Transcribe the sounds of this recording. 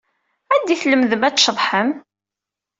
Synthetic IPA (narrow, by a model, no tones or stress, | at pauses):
æd̪iθləmðəmæt͡sːʃəðˤħəm